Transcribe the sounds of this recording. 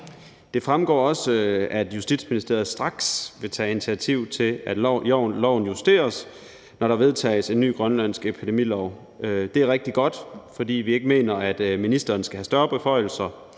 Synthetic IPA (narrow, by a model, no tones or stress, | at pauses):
d̥e̝fʁamɡ̥ɒ̰ːɒ̽səæd̥jusd̥id̥sminisd̥e̝ɐð̩ˠsd̥ʁɑ̈ɡ̥sʋe̝t͡sʰɛ̰ːinit͡sʰiæt͡sʰiʊ̰t͡sʰe̝læd̥ʊ̰nlɒʊ̰n̩jusd̥e̝̰ːɐs | nɒɾɑ̈ʋe̝ðˠt͡sʰɛ̰ːɪse̝nːy̰ːɡ̥ʁɶnlæn̰sɡ̥epʰid̥e̝mḭlɒʊ | ød̥e̝æɐʁeɡ̥̚d̥iɡ̥ɒ̽d̥fɒ̽d̥ḭːʋie̝ɡ̥əme̝̰ːnɐæd̥minisd̥ɐːnsɡ̥æhæsd̥ɶɐb̥efɒ̽ɪ̰l̩sɐ